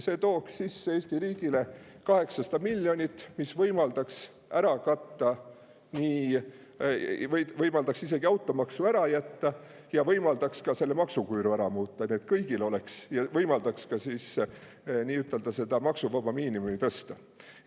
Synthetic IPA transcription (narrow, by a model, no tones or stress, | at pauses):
se̞t̪o̞ːkssisːeeːsʲt̪iɾiːɡ̥ile | kɑhe̞ksɑst̪ɑmilʲːjo̞nʲit̪ːmisvɤjmɑld̪̥ɑks | æɾɑkɑt̪ːɑ | niː | vvɤjmɑld̪ɑksis̬e̞ɡ̥iɑwt̪ːˑomɑksuæɾɑjæt̪ːɑ | jɑvɤjmɑld̪ɑkskɑse̞lːemɑksukujɾuæɾɑmuːt̪ːɑniet̪̚kɤjɡ̥ilo̞le̞ksjɑvɤjmɑld̪ɑkskɑsiːs | niːyt̪ːˑe̞ld̪̥ɑse̞d̪ɑmɑksuvɑbɑmiːnimumit̪ɤ̞st̪ɑ